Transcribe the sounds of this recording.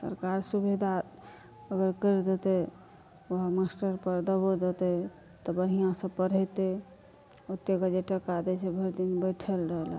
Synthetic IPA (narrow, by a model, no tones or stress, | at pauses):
sə̰ɾkaɾsubʱed̪a | əɡəɾkəɾd̪et̪ɛ | əɦmasʈəɾpəɾd̪əbod͡ʒ̪ət̪ɛ | t̪ɔbəɦijãsə̃pəɽ̤ɛt̪e | ot̪ːeɡəd͡ʒeʈəkad̪ɛt͡ʃʰɛbʱəɾd̪inbəʈʰəlɾəɦel